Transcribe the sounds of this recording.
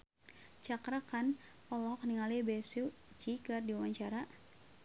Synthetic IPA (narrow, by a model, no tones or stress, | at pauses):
t͡ʃakɾakan | ɔlɔɔkniŋalibɛsut͡ʃikɨrdiwaɲt͡ʃaɾa